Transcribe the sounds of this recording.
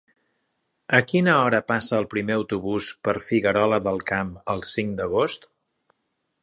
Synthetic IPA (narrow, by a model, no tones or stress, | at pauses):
əkinəɔɾəpasəːlˠpɾimeəwt̪uβuspəɾfiɣəɾɔləðəlˠkaməlˠsiŋd̪əɣost̪